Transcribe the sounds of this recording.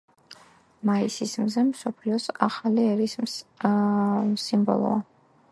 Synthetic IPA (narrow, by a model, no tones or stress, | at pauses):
maisismzɛmsɔpʰliɔsaχaliɛɾis | simbɔ̰lˠɔ̰a